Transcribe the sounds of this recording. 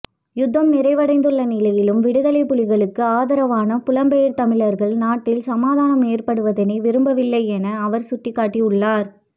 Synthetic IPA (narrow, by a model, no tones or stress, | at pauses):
jʊd̪ʱːɐmnɪɾɐɪʋɐɽɐɪnd̪ɯɭːɐnɪlɐjɪlɯmʋɪɽɯðɐlɐɪpʊlɪɣɐɭɯkːɯaːðɐɾɐʋaːnɐpʊlɐmbɐjɐɾt̪ɐmɪlɐɾɣɐɭnaːʈːɪlsɐmaːðaːnɐmeːɾpɐɽɯʋɐðɪnɐɪʋɪɾɯmbɐʋɪlːɐɪɛnɐːʋɐɾsʊʈːɪkːaːʈːiʊɭːaːɾ